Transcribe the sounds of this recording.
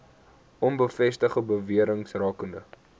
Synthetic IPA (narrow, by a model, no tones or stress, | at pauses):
ʔɔnbəfɛstəχəbəviəɾəŋsrɑːkəndə